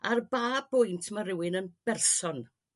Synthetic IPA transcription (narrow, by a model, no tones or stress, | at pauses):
arbaːbʊjntʰməɾɪwɪnənb̥ɛrsɔn